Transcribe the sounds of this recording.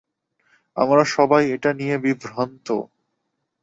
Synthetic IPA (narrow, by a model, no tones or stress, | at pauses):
a̰mɾaʃɔbajeʈanijebibʱɾant̪o̰